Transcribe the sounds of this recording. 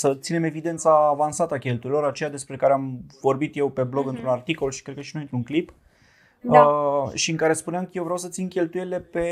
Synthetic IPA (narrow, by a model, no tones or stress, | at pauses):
sət̪sine̞me̞vid̪e̞nt̪saːvansat̪əakʲe̞lt̪uɾilo̞ɾat͡ʃe̞jad̪e̞spɾe̞kaɾeamvo̞rbit̪je̞wpe̞blo̞ɡɨnt̪ɾunart̪iko̞lʃi̥kɾet̪̚kəʃinujint̪ɾuŋklip | əʃiɨŋkaɾe̞spuneamkəjewvɾjawsət̪sinkʲe̞lt̪ujeile̞pe̞